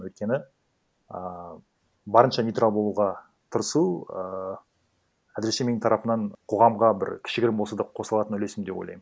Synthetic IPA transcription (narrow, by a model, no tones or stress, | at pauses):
wɵjt̪̚kʲe̞nɪ | ə | bɑɾənʃɑnʲijt̪ɾalˠbo̞lˠuʁɑ | t̪ʰəɾəsuə | æzɾe̞se̞meɪŋt̪ʰɑɾɑpənɑɴqʰo̞ʁɑmʁɑbɪ̰ɾkʲʰɪ̥ʃɪɡʲɪɾɪmbolˠsɑd̪ɑqʰo̞səlˠɑt̪ənʏle̞sɪmd̪e̞bojlˠɑ̰jm